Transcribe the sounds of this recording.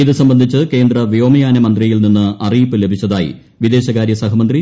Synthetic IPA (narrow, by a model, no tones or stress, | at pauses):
iðɨsɐmbɐnd̪ʱit͡ɕːɨke̞ːnd̪rɐʋijo̞ːmɐjaːnɐmɐnd̪rijilninːɨɐrijpːɨle̞bʱit͡ɕːɐðaːjḭ | ʋid̪e̞ːɕɐkaːɾjɐsɐɦɐmɐnd̪ri